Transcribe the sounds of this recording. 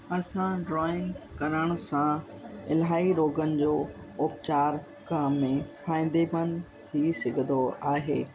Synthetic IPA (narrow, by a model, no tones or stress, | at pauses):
ɐsãɖɾɔːɪ̃ŋɡkɐɾəɽ̃ʊsã | ɪlɦaːiɾoːɡənɪ̆d͡ʑoː | ʊpt͡ɕaːɾ | kaːmːẽfʰãːĩːnd̪ebən | t̪ʰisɐɡʱə̃nd̪oaːɦeː